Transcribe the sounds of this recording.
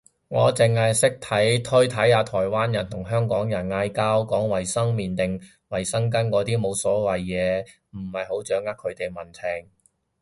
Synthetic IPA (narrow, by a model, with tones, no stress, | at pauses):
ŋɔː˨˧t͡sɪ˨ŋhɐ˨jsɪ˥k̚t̪ʰɐ˨˥jt̪ʰɵ˥ɥt̪ʰɐ˨˥jhaː˨˧t̪ʰɔː˨˩jwaː˥njɐ˨˩nt̪ʰʊ˨˩ŋɦœː˥ŋkɔː˨˥ŋjɐ˨˩nŋaː˧jkaː˥wkɔː˨˥ŋwɐ˨˩jsɐ˥ŋmiː˨nt̪ɪ˨ŋ | wɐ˨˩jsɐ˥ŋk̬ɐ˥nkɔː˨˧t̪iː˥mo˨˧wsɔː˨˥wɐ˨jːɛː˨˧ | m̩˨˩hɐ˨jho˨˥wt͡ʃœː˨˥ŋːaː˥kʰɵ˨˧ɥt̪e˨jmɐ˨˩nt͡sʰɪ˨˩ŋ